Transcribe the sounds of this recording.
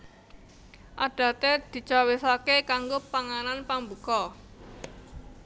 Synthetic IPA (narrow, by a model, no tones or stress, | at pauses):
ʔaɖ̥a̤t̪ed̪̥i̤t͡ʃawesakekaŋɡopaŋananpambukɔ